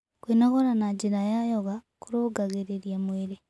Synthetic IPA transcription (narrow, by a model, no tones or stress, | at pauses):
kwinɔɣɔɾanaɟiɾajajɔɣakuɾoɡaɣeɾeɾjamweɾe